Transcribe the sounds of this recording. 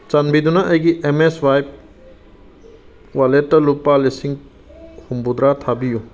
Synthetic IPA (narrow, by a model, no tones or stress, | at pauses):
t͡ʃanbʱid̪unaʔɐjɡiʔemeswajp̚ | waletːɐlupalesiŋ | humbud̪ɾat̪ʰabiju